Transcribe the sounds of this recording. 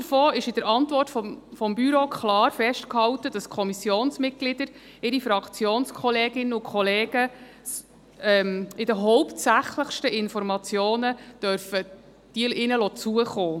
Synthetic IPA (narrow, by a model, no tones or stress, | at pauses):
dəɾfoːɪʃɪd̥əɾɑntvɔrtfɔmfɔmbyɾokʰχlɑːɾfɛʃtkhɑwt̪əd̥ɑskʰɔmisjoːnsmɪt̚ɡ̥lɪd̥əɾ | ɪɾifɾɑkt͡sjoːnskχɔleːɡɪnːəukχɔleːɡ̥ə | ɛmɪd̥əɦɔʊptsæχləχʃtəɪnfɔɾmɑt͡sjoːnəd̥œɾfə | d̥iəlʔɪnəlɔt͡suəχoː